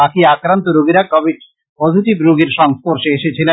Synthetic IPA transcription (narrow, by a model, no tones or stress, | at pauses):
akiakɾant̪oɾoɡiɾakɔbiʈ | pozʱiʈibɾoɡeɾʃɔŋspoɾʃeeʃet͡ɕʰile